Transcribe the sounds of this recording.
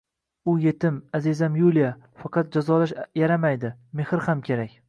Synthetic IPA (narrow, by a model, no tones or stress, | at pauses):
ʊje̞t̪ɪmazizamjulija | fɑqɑt̪̚d͡ʒazɒlaʃjaɾamajd̪ɪmehɾhamkʲʰe̞ɾakʲ